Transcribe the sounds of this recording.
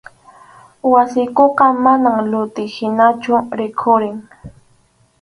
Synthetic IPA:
wasɪjkoqɑmanaŋlʊt̪ɪhɪnat͡ʃʊɾɪkʰʊɾɪŋ

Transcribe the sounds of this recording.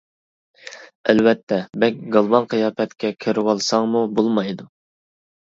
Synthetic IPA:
ælvɛt̪ʰːɛbɛkʲɡɑlˠbɑnqʰɨjɑːpɛt̪kʲʰɛkʲʰøɾwɑlˠsɑŋmubolˠmɑjd̪u

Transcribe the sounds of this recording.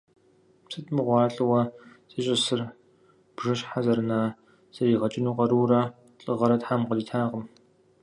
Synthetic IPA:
sʰɨtʰʼmɨʁʷɑːɬʼɨwɐsʼɐɕʼɐsɨr | b̥ʒɨɕħazɐrɨnaː | sɐriːʁɐt͡ʃʼɪnuːqɐɾuːrɐ | ɬʼɨʁɐɾɐtħamqədiːtʰaːqəm

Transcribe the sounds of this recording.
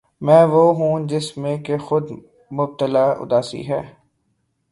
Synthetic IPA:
mɛ̃ːʋoːɦũd͡ʒɪsmẽkexʊd̪ | mʊb̚t̪əlaːʊ̰d̪aːsḭɦɛː

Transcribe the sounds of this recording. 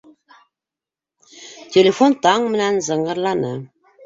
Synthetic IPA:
t̪ʰʲelʲefont̪ɑɴmɘ̆nænzəɴʁə̆ɾlˠɑnə

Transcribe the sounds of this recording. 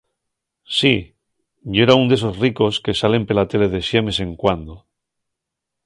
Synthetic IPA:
si | ʝeɾaund̪e̞so̞zriko̞ske̞sale̞mpe̞lat̪e̞le̞ðe̞sjamese̞ŋkwand̪o

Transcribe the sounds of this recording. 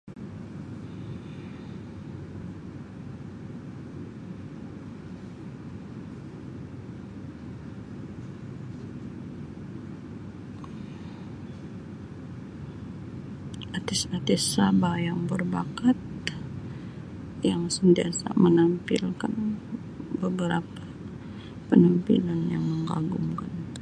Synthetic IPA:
ʔat̪isat̪isabajaŋbərbakat̪̚ | jaŋsənt̪iasa̰mənampḭlkan | bəbəɾapḁ | pənampḭlanjaŋməŋɡa̰ɡuŋkan

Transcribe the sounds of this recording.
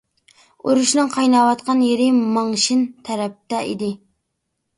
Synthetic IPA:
uɾuʃnɨŋqʰɑjnɑwɑt̪̚qʰɑnjeɾɪmɑŋʃint̪ʰɛɾɛp̚t̪ɛʔḭd̪ɪ

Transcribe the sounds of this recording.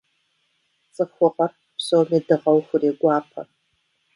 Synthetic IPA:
t͡sʼɨxʷʊqɐr | psowmeːdɨʁɐwxʷʊreːɡʷɑːpʰɐ̰

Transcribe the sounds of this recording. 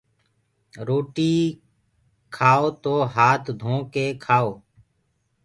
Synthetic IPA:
ɾoːʈiː | kʰaːoːt̪oːɦaːt̪ʰd̪ʱõːkeːkʰaːoː

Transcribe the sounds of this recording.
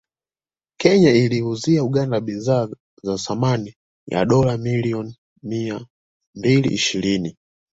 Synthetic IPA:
kɛɲailiuziauɠandaɓizaː | zasamani | ja̰ɗɔlamiliɔn | mia | mbilḭʔiʃiɾini

